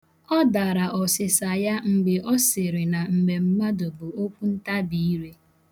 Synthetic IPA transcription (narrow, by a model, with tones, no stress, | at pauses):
ɔ˦da˨ɾa˨ʔɔ˨sɪ˨sa˨ja˦ŋ͡m̩˨ɡ͡bɪ˨ʔɔ˦sɪ˨ɾɪ˨na˨m̩˨me˨m̩˦ma˦dʊ˨bʊ˨o˦kʷu˦n̩˦ta˦bi˨i˦ɾe˦